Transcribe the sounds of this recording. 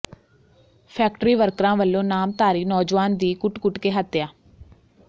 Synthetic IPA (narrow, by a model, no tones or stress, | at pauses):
pʰɛːk̚ʈɾiːʋəɾkɾãːʋəlːõːnaːmt̪aːɾiːnɔːd͡ʒʋaːnd̪iːkʊʈkʊʈkeːɦət̪ːɪjaː